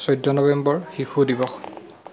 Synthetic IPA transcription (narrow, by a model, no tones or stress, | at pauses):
sɔjdɔnɔbɛmbɔɹxixʰudibɔx